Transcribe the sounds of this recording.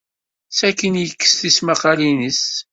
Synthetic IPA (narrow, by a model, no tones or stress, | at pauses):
sækːənjəkːə̥sθismaqɑlinəs